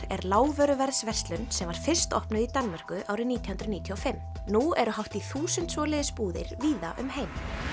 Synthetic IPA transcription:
ɛɾlaːwvœɾʏvɛɾðsvɛrst̪lʏnsɛmvaɾ̥fɪr̥st̪ɔ̰hpnʏðit̪anmar̥kʏʔaːwɾɪniːt̪ʰjhʏnd̪ɾniːt̪ʰiɔfɪm | nuɛɾʏɦawht̪iθuːsʏnt̪svɔːlɪðɪspuːðɪ̰ɾ̥viːðaʔʏ̰mhejm

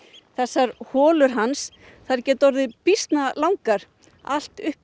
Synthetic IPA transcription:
θɛsːaɾhɔːlʏɾ̥ɦans | θaɾcɛːt̪ɔɾðɪpist̪nalawŋkaɾ̥ | a̰l̥t̪ʏhp

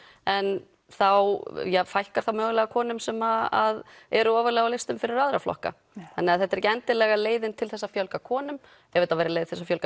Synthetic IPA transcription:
ɛn | θawjɛfajhkaɾ̥θawmœːɣlɛɣakʰɔːnʏmsɛmaaðɛɾʏɔːvʏɾlɛːɣawlɪst̪ʏmfɪɾɪɾaðɾaflɔ̰hka̰ | θanːɪaðθɛht̪aɾɛcɪɛnt̪ɪlɛɣaleːjðɪnt̪ʰɪlθɛsːafjœlkakʰɔːnʏm | ɛveːt̪avejɾalejðɪθɛsːafjœlka

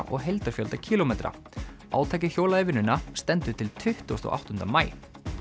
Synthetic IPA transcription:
ʔɔ̰ɣɦejlt̪aɾ̥fjœlt̪acʰiːlomejt̪ɾa̰ | a̰ːwt̪ʰajcɪçjowlaðevɪnʏnːast̪ɛnt̪ʏt̪ʰɪlt̪ʰʏht̪ust̪ɔ̰ʔa̰wht̪ʏnt̪ɾamaːj

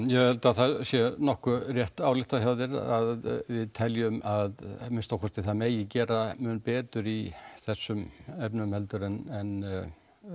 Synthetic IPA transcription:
jɛɛlt̪aθaðsjɛnɔhkʏrjɛht̪aːwlɪht̪açjawðɪɾaððvɪðt̪ʰɛljʏmaðmɪnst̪ɔwkʰvɛɾ̥t̪ɪθameːjɪcɛːɾamʏːnpɛːt̪ʏɾiθɛsːʏmɛpnmhɛlt̪ʏɾɛnɛn

